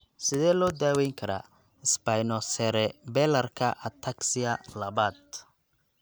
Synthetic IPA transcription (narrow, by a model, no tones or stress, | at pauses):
sɪðɛːlɔːd̪aːwɛjŋkʰɐɾa̰ː | ɪsbajnɔsɛɾɛbɛlɐrkʰɐʔɐt̪ʰaksɪɐlɐβaːd̪̚